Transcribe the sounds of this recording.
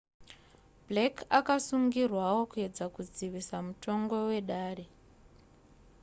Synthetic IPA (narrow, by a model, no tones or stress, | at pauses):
blekakasuŋɡirwawo̞kue̞d͡zakud͡ziʋisamuto̞ŋɡo̞we̞ɗaːɾe̞